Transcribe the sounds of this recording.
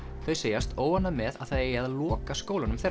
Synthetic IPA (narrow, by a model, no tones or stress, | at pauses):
θœɥseːjast̪oːwanːamɛða̰ðθaðejaðalɔːkaskoːwlanʏmθejɾ